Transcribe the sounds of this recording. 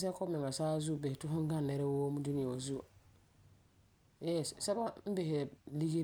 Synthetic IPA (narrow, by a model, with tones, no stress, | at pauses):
s̬ɛ˦kɔ˦mɪ˨ŋa˨saː˦zu˦˨be˨hɪ˨tu˦ɦʊ̃˦ŋ˦ɡa˦n˨nːɛ˨ɾɛ˦wo˦mu˦du˦ni˦a˨o˨zu˦a̰˨ | jɛ˦˨ssɛ˦bwa˦m̩˦be˨ɦɪ˨li˦ɡi˦